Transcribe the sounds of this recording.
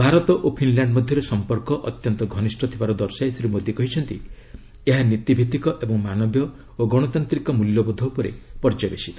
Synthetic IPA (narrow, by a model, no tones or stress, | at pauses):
bʱaɾɔt̪ɔʔopʰinlaɳɖmɔd̪ʱjɔɾesɔmpɔɾkɔʔɔt̪jɔnt̪ɔɡʱɔnisʈʰɔt̪ʰibaɾɔd̪ɔɾsajsɾimod̪ikɔɦit͡ʃʰɔnt̪ḭ | eɦanit̪ibʱit̪ikɔʔebɔŋmanɔbjɔ | oɡɔɽ̃ɔt̪ant̪ɾikɔmuljɔbɔd̪ʱɔupɔɾḛpɔɾd͡ʒabesi